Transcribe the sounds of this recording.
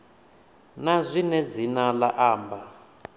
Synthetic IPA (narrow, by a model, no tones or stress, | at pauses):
nazʷinɛd͡zinalaʔaːmba